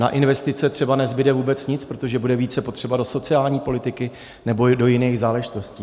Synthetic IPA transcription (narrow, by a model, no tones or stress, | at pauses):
na̰ʔɪnvɛst̪ɪtt͡sɛt̪r̥ɛbanɛzbɪdɛvuːbɛt͡sɲɪt͡spɾot̪o̞ʒɛbudɛviːt͡sɛpo̞t̪r̥ɛbado̞so̞tt͡sɪaːlɲiːpo̞lɪt̪ɪkɪ | nɛbo̞do̞jɪnɛːɣzaːlɛʒɪt̪o̞sciː